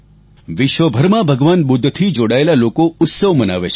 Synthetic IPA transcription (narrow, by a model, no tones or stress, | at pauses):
ʋɪʃʋəbʱəɾmãbʱəɡʋanɓʊd̪ʱːt̪ʰid͡ʒoɽaelalokoʊt̪səʋməna̰ʋet͡ʃʰ